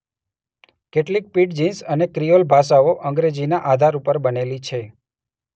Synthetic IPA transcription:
keʈlik̚piʈd͡ʒinsənekɾijolbʱaʃaoʔə̃ŋɡɾed͡ʒinaʔad̪ʱaɾupəɾbənelit͡ʃʰe

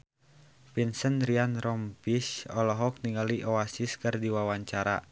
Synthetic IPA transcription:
pinsənɾianrɔmpisɔlɔɦɔk̚niŋaliʔɔasiskərdiwawaɲt͡ʃaɾa̰

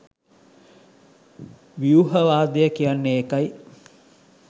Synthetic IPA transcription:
ʋiuɦəʋaːd̪ejəkijanːeeːkaj

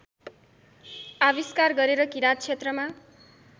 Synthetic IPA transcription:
abiskarɡʌɾeɾʌkiɾat̪̚t͡sʰet̪rʌma

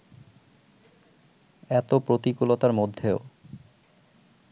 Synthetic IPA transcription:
ɛt̪opɾot̪ikulot̪aɾmod̪ʱːeo

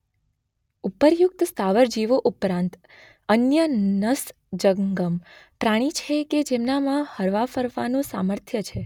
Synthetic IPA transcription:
upəɾjʊk̚t̪st̪aʋəɾd͡ʒiʋoʔupɾãnt̪ | ənjənəs | d͡ʒəŋɡəmpɾaɽ̃it͡ʃʰeked͡ʒemnamãhəɾʋafəɾʋanõsaməɾt̪ʰjət͡ʃʰe

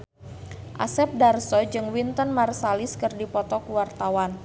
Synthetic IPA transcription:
ʔa̰sɛp̚darsɔd͡ʒɨŋwint̪ənmarsalɪskɨrdipɔt̪ɔkuwart̪awan

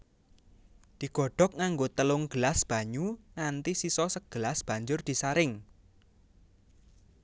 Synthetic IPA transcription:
d̪̥i̤ɡ̥ɔ̤ɖ̥ɔ̤k̚ŋaŋɡot̪əlʊŋɡ̥əlasb̥a̤ɲuŋant̪isisɔsəɡ̥əlasb̥a̤ɲd͡ʒʊrd̪̥i̤saɾɪŋ

